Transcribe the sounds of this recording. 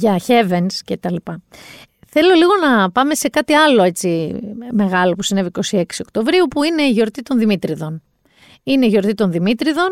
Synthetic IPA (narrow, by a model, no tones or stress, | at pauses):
ʝɐçe̞vensce̞t̪ɐlipɐ | θe̞lo̞liɣo̞nɐpɐme̞se̞kɐt̪iɐlo̞e̞t͡sime̞ɣɐlo̞pusine̞viko̞sie̞ksio̞kt̪o̞vɾiupuine̞iʝo̞ɾt̪it̪o̞nðimit̪ɾiðo̞n | ine̞iʝo̞ɾt̪it̪o̞nðimit̪ɾiðo̞n